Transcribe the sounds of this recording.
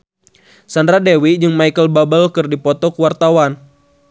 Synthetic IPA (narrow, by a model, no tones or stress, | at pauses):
sandɾadewid͡ʒɨŋmaikəlbabəlkɨrdipɔt̪ɔkuwart̪awan